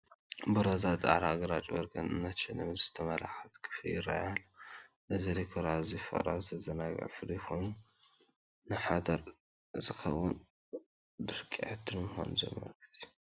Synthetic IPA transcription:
bɨɾɐzat̪ʼa̰ɾaɡɐɾat͡ʃʼwɔɾɡɐnɨ̰nːɐt̪t͡ʃɪnɨmɨzɨ̥t̪ʰɐmɐlaxat̪kʰɨ̥fɨiɾa̰jalːo | ʔɨziɾikʰoɾazifɐ̰ɾazɐzɐnaɡɐ̰ʕfɨlijxʰojnu | nɨħad̪ɐɾ | ɨzɨxɐwun | d̪ɨɾkʼiʕɨd̪ɨnmɨxo̰nzɐ̰mːɐ̰kɨ̥t̪ʰiju

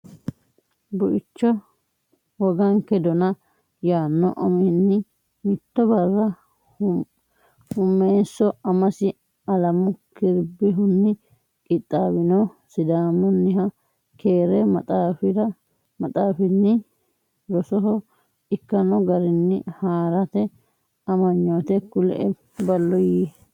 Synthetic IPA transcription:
bʊʔɪt͡ʃːɔ | wɔɡɐŋkɛd̪ɔnɐ | jaːnːɔ̰ʔɔmɛhɪnːɪ | mɪt̪ːɔbɐrːɐ | hʊmːeːsːɔɐmɐsɪ | ɐlɐmʊkɪɾbɪɦʊnːɪ | kʼɪt̪ʼːaːbɪnɔsɪd̪aːmɔnːɪɦɐ | keːɾɛmɐt̪ʼaːfɪɾɐ | mɐt̪ʼaːfɪnːɪ | ɾɔsɔɦɔ | ɪkːɐnɔɡɐɾɪnːɪhaːɾɐt̪ɛ | ɐmɐɲːoːt̪ɛkʊlɛ̰ʔɛ | bɐlːɔji

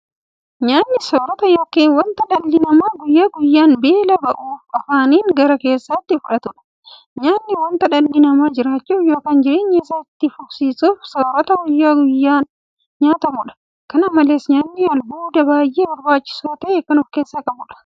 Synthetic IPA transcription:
ɲaːnːɪsoːɾɔt̪ɐjoːkːeːnwɐnt̪ɐᶑɐlːɪnɐmaːɡʊjːaːɡʊjːaːnbeːlɐbɐʔuːfɐfaːniːŋɡɐɾɐke̞ːsːɐt̪ːɪfʊᶑɐt̪ʊᶑɐ̥ | ɲaːnːɪwɐnt̪ɐᶑɐlːɪnɐmaːd͡ʒɪɾaːt͡ʃːuːfjo̞ːkɐnd͡ʒɪɾeːɲːɛsɐt̪ːɪfʊfsiːsuːfsoːɾɐt̪ɐɡʊjːaːɡʊjːaː | ɲaːt̪ɐmʊᶑɐ̥ | kɐnɐmɐleːsɲaːnːɪɐlbuːd̪ɐbaːjʔeːbɐɾbaːt͡ʃːɪ̥saːt̪ɐʔeːkɐnɔfke̞ːsːɐkʼɐbʊᶑɐ̥

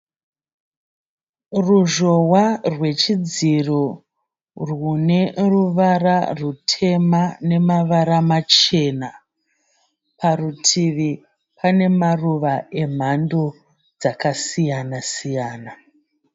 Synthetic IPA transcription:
ruʒo̞warwe̞t͡ʃid͡ziro | rwune̞ruʋararutʰe̞mane̞maʋaɾamat͡ʃe̞na | pʰarutʰiʋi | pane̞maruʋaem̤ando̞ | d͡zakasijanasijaːna

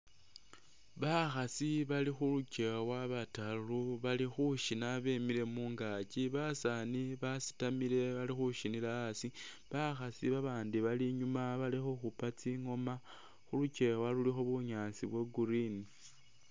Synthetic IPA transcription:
βaxasiβalixuluce̞waβataluβalixuʃinaβe̞mile̞muːŋɡaciβasaniβasi̥tamile̞βalixuʃinilasi | βaxasiβaβaːndiβaliɲumaβalixoxupat͡siŋo̞ma | xuluce̞walulixo̞βuɲaːsiβweɡuɾini

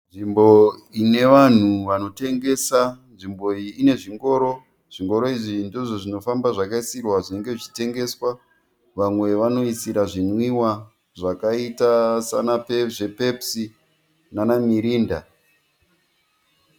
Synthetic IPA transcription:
nʐimbo̞ine̞ʋan̤uʋano̞te̞ŋɡe̞sanʐimbo̞iːne̞ʐiŋɡo̞ːɾo̞ | ʐ̥iŋɡo̞ɾo̞iʐindoʐoʐino̞fambaʐakaisirwaʐine̞ŋɡe̞ʐit͡ʃi̥te̞ŋɡe̞swa | ʋamwe̞ʋano̞isiɾaʐinwiwa | ʐakaitasa̰napeʐe̞pe̞psi | nanamiɾiːnda̰

